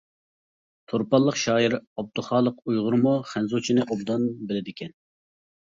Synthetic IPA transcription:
t̪ʰoɾpɑlˠːəqʃɑːjiɾɑb̚d̪uχɑːlˠəqujʁʊɾmuχænzut͡ʃʰinɪʔobd̪ɑnbɪlɪd̪ɪkʲʰɛn

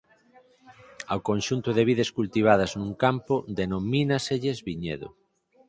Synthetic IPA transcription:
awkõnʃunt̪ʊðeβ̞iðeskult̪iβ̞að̞ɐznũŋkampod̪enominaseʎezβiɲḛðo̰

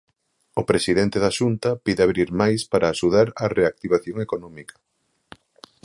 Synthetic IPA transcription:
opɾesiðɛnt̪eðaʃunt̪ɐpiðɪaβɾiɾmajspaɾʔaːʃuð̞aɾareak̚t̪iβaθjoŋekonɔmikɐ̥

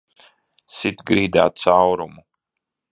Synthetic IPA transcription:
sit̪ɡɾiːd̪a̰ːt̪sawɾumu

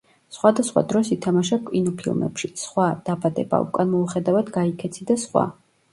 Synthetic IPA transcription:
sχwad̪asχwa̰d̪ɾɔsit̪ʰamaʃakʼwinɔpʰilˠmɛ̰pʃisχwad̪̥abad̪ɛ̰ba̰ṵkʼanmɔuχɛd̪avad̪ɡaikʰɛt̪sʰid̪asχwa̰

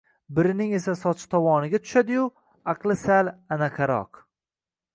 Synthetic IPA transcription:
bɪɾɪnɪŋe̞sasɒt͡ʃʰɪ̥t̪ʰɒwɒnɪɡʲat̪ʰʊ̥ʃad̪ɪjʊ | aqlˠɪsalanakʲʰaɾɒ̰q

